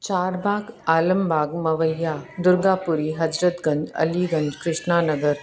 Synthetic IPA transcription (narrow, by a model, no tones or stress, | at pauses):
t͡ɕaːɾbʱaːɡaːləmbʱaːɡmɐʋəjad̪uɾɡapuɾiɦɐd͡ʒɾət̪ɡə̃ɲd͡ʒɐ̰liɡəɲd͡ʑkɾɪʂɳanəɡəɾ